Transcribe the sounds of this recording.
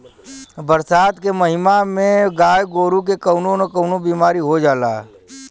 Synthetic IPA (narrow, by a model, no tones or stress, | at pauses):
bəɾsaːd̪kemɐɦɪmamẽɡaːjɡoːɾuk̬ekɐʊnõnkəʊnobiːmaːɾiɦod͡ʒaːlaːɛ